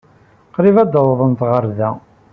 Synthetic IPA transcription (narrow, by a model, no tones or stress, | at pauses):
qɾivæd̪ːɑwðˤənt̪ʁəɾðæ